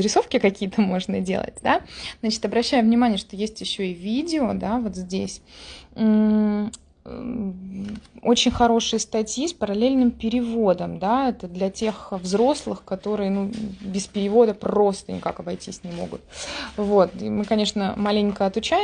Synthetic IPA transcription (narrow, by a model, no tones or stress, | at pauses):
zɾʲɪso̞fkʲɪkɐkʲijət̪ʰəmo̞ʐnədʲḛlˠə̰t̚ʲd̪aznat͡ɕɪ̥t̪ɐbɾɐɕːæjʊvnʲɪmanʲɪjəʂt̪o̞jesʲtʲjɪɕːo̞ɪvʲidʲɪod̪avo̞t̪zʲdʲes̩ʲ | o̰t͡ɕɪnʲxɐɾo̞ʂɨjəst̪ɐtʲjispəɾɐlʲelʲnɨmpʲɪɾʲɪvo̞d̪əmd̪aɛt̪əd̪lʲɐtʲe̞xvzɾo̞slˠɨxkɐt̪o̞ɾɨjənubʲɪspʲɪɾʲɪvo̞d̪əpro̞st̪ə̰nʲɪ̰ka̰kɐbɐjtʲisʲnʲɪmo̞̰ɡʊ̰t̪̚vo̞t̪ḭmɨkɐnʲeʂnəmalʲɪŋʲkəɐt̪ʊt͡ɕæ